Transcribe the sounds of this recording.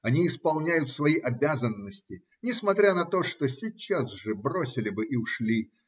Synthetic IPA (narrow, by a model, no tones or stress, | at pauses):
ɐnʲiɪspɐlˠnʲæjʊt̪svɐiʔɐbʲazənːəsʲtʲɪ | nʲɪsmɐt̪ɾʲanɐt̪o̞ʂt̪osʲit͡ɕːazʐɨbro̞sʲɪlʲɪbɨʔiʊʂlʲi